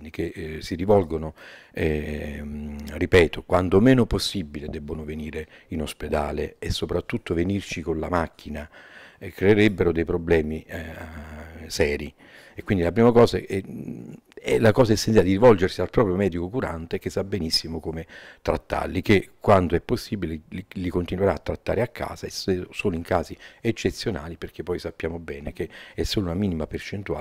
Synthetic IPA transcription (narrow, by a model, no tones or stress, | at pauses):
ikesiɾivɔlɡonoɛ | ripɛːt̪okwant̪omɛːnoposːibːiled̪ɛbːonoveniːɾe | inosped̪a̰ːlḛesːopɾat̪ːut̪ːovenirt͡ʃikonlamakʰːinaɛkɾeːɾebːeɾod̪ejpɾoblɛːmi | sɛːɾi | ekwind̪ilapɾiːmakɔːzaɛ | ɛ̰lakɔːzaesːenjalɪd̪iɾivɔld͡ʒersialpɾɔːpɾjomɛːd̪ikokuɾa̰nt̪ek̟esːabːenisːimokomet̪ɾa̰t̪ːa̰rlikekːwand̪oɛpːosːiːbilelikont̪inweɾaːt̪ːɾat̪ːa̰ːɾeakʰːa̰ːzaɛssoːloiŋkaːziet͡ʃːet̪sːjona̰ːliperk̟epːɔjsapːjaːmobɛːnekeɛsːoːlounamiːnimapert͡ʃent̪ua̰